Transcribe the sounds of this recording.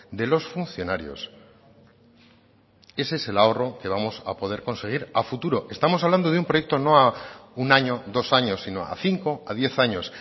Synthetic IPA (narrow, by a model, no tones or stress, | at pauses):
d̪e̞lo̞sfunθjo̞naɾjo̞̰s | e̞sese̞lao̞ro̞ke̞βamo̞sa̰po̞ðe̞ɾko̞nse̞ɣ̞iɾafut̪uɾo̞ʔe̞st̪amosaβland̪oðumpɾojek̚t̪o̞no̞aunaɲo̞ðo̞saɲo̞sːino̞̰a̰θiŋko̞a̰ðje̞θaɲo̞s